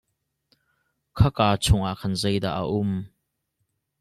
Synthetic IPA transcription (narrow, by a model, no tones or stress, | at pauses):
kʰɐkaːt͡sʰʊŋʔaʔkʰɐnzɛjd̪a̰ːʔːaʔʊm